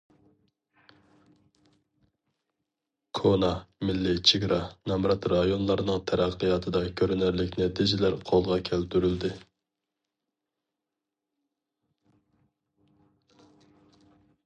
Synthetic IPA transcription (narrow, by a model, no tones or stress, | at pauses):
kʰonɑmɪlːɪt͡ʃʰiɡɾʔɑnɑmɾɑt̪ɾɑjonlˠɑɾnɨŋt̪ʰɛɾæqːɨjɑt̪ʰɨd̪ɑkʲʰøɾynɪɾlɪkʲnɪt̪ʰɪzɪlæɾqʰolˠʁɑkʲʰælt̪yɾyld̪ɪ